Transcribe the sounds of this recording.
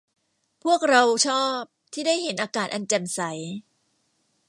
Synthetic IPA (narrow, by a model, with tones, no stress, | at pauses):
pʰu˥˩ək̚ɾa˧wt͡ɕʰɔː˥˩p̚t̪ʰiː˥˩daː˥˩jhe˩˦nʔaː˧kaː˨˩t̪̚ʔa˧nt͡ɕɛ˨˩msa˩˦j